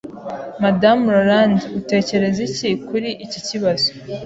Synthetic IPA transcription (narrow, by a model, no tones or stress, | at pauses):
madamɾaɾandiute̞ːce̞ɾe̞zicikuɾiʔiciciβazo